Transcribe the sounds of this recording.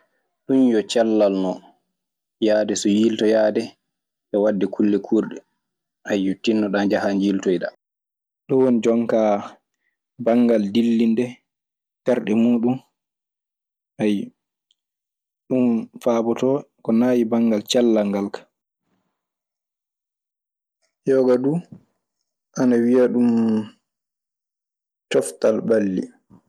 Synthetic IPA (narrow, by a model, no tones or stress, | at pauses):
ɗunjɔt͡ʃalːalnɔ | jaːdɛsɔjiːltɔjaːdɛ | ʔɛwadːɛkʰulːɛkʰuːɾɗɛ | ʔajːutːinːɔɗand͡ʒahand͡ʒiːltɔjɗa | ɗɔwonid͡ʒɔŋka | baŋɡaldilːindɛ | tɛɾɗɛmuːɗum | ʔaj | ɗumfabɔtɔkɔnaːjibaŋɡalt͡ʃalːaŋɡalkḁ | jɔːɡaduː | ʔanawijaɗum | tɔftalbalːḭ